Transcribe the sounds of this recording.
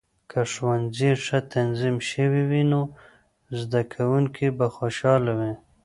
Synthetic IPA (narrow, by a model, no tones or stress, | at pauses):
kʰaʂwanziʂat̪ʰanzimʃəwiwino | zd̪akʰawuŋkʰibaxoʃɑlawe